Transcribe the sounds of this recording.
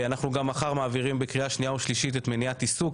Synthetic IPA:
anaχnuɡamaχaʁmaːviʁimbekʁiaʃnijaoʃliʃit̪et̪meniat̪isuk

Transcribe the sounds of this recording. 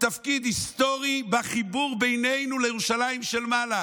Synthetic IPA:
t̪afkid̪hist̪o̞ʁibaχibuʁbejnejnulejeʁuʃalajimʃelmala

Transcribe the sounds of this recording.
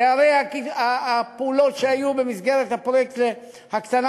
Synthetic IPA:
eaʁejakiaapeulo̞tʃeajube̞misɡe̞ʁet̪hapʁojekt̪e | hakt̪ana

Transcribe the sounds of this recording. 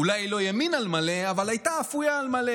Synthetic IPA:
ulajlo̞jaminalmale̞avalajtaːfujaːlmale

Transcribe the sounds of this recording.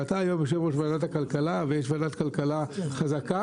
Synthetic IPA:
at̪aːjombeʃ̬evoʃvanat̪hakalkalavejeʃvanat̪kalkalaχazaka

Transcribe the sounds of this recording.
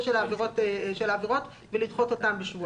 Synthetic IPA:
ʃelaːveʁo̞t̪ʃelaːveʁo̞t̪ | velidχo̞t̪o̞tambeʃvu

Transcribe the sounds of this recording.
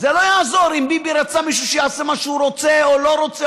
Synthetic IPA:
zelo̞jaːzoɾimbibiɾat͡samiʃ̬uʃejaːsemaʃuɾo̞t͡seolo̞ɾo̞t͡se

